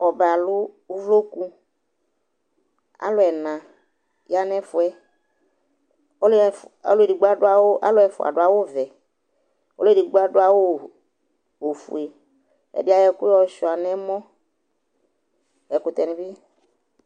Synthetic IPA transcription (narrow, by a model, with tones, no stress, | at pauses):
ɔ˨ba˨lʊ˦ | u˦vlo˦ku˧ | a̰˦lʊ˦ɛ˨nã˨ | ja˦nɛ˦fʊ˨ɛ˦˨ | a˦lʊ˦e˨di˨ɡ͡ba˦dʊ˦a˦wa̰˦lʊ˦ɛ˨fʊ̰˨a̰˨ɖʊ˨˦a˨wʊ˦vɛ˨ | o̰˦lʊ˦e˨di˨ɡ͡ba˦dʊ˦a˨wo˦˨ | o˨fṵ˨e˨ | ɛ̰˨dɪ˦a˨˦jɛ˦kʊ˦ɔ˦˨˦ʃɔ˨a˨nɛ˦mɔ̃˦ | ɛ˨kʊ˨t̪ɛ˨ni˨bɪ˦